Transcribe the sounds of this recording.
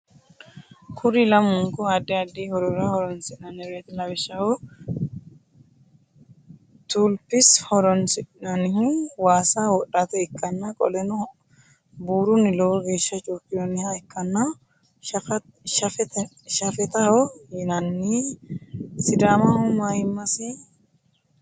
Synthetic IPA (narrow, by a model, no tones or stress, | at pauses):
kʰʊɾilɐmʊŋkɔad̪ːɪɐd̪ːihɔɾɔɾahɔɾɔnsɛnɐnɪɾeːt̪ɛnɐbɪʃːɐhɔ | t̪uːlpɪshɔɾɔnsɪnɐnɪhuwaːsaːwɔɗːat̪ɛɪkːɐnːɐkʼɔ̰lɛn | buːɾunːɪlɔwɔɡeːʃːɐt͡ʃʼoːkʼːɪjɔnːɪhɐɪkːɐnːɐ | ʃɐfɛt̪ | ʃɐfɛt̪ɐhɔhɪnɐnːi | sɪd̪aːmɐhʊmahɪmːɐsɪ